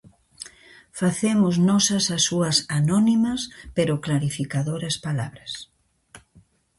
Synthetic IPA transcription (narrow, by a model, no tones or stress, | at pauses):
faθemʊznɔsɐsɐsːuɐsanɔnimɐspeɾʊklaɾifikaðoɾɐspalaβɾɐs